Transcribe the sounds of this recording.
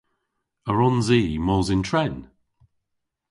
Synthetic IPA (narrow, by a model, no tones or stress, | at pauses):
əɹɔnziːmɔːzɪntʰɹɛn